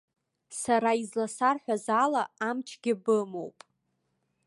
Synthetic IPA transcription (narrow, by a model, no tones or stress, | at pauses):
saɾaizlasarħʷᶣazalaːmt͡ʃʰɡʲɪbɨmo̞̰wpʼ